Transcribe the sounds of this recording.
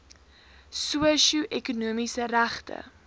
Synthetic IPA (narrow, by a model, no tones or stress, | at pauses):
suəʃuʔɛkunuəmisəɾæχtə̰